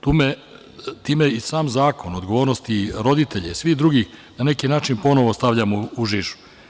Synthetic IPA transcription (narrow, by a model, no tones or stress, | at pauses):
t̪uːme | t̪iːmeisaːmzaːko̞nod̪ɡoʋoːɾnost̪iɾo̞d̪it̪eʎesʋiɣd̪ɾuɡiːxnane̞kinaːt͡ʃinpo̞noʋo̞st̪aʋʎamuuʒiʃu̥